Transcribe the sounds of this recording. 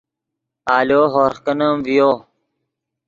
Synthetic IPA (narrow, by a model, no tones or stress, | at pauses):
aːljoːɦoːɾxkənəmʋijoː